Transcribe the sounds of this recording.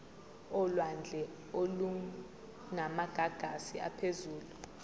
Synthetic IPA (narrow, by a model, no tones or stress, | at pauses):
ɔlwand͡ɮʱɛ | olu | namaɡ̥ʱaɡ̥ʱasia̰pʰezuːlu